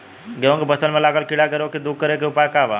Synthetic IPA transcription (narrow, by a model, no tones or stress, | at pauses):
ɡeʋə̃ŋkibəsənmẽlaɡəlkiɽaɡəɾokid̪uɡ̚kəɾekiupajkaʋa